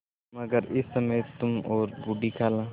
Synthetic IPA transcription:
mɐɡəɾɪsːɐməjt̪ʊmɔːɾbuɖikʰaːlãː

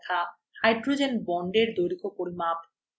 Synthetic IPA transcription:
kʰa | hajɖɾod͡ʑenbɔɳɖeɾd̪oɾikopoɾimap

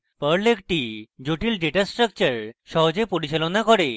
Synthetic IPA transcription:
pəɾlekʈid͡ʑoʈiːlɖeʈasʈɾək̚t͡ɕəɾɕɔɦd͡ʑepuɽiɕelɔnakɔɽe

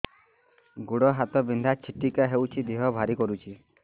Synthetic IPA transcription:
ɡuɽɔɦat̪ɔbind̪ʱat͡ʃʰiʈikaɦewt͡ʃʰid̪iɦɔbʱaɾikɔɾut͡ʃʰi

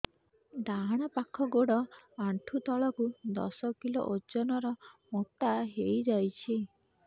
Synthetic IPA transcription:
d̪aɦɽ̃ɔpakʰɔɡoɽɔaɳʈʰut̪ɔɭɔkud̪ɔ̰sɔkilo̰ʔod͡ʒɔnɔɾɔmot̪aɦejd͡ʒajt͡ʃʰi

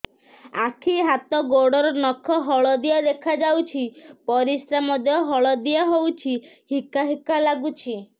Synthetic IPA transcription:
akʰiɦat̪ɔɡoɽɔɾɔnɔkʰɔɦɔɭɔd̪iad̪ekʰad͡ʒawt͡ʃʰipɔɾisɾamɔd̪jɔɦɔɭɔd̪iaɦowt͡ʃʰi | hikaɦikalaɡut͡ʃʰi

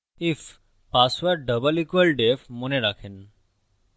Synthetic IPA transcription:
if | pasʋəɾɖəbəlikʋəlɖefmoneɖakʰin

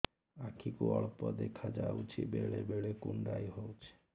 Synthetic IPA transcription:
akʰikuɔɭpɔd̪ekʰad͡ʑaut͡ɕʰḭbeɭebeɭekuɳɖajɦowt͡ɕʰe̥

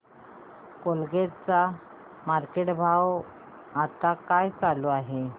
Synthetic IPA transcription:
kolɡet͡sa | maɾkeʈbʱaw | at̪akajt͡saloaɦe

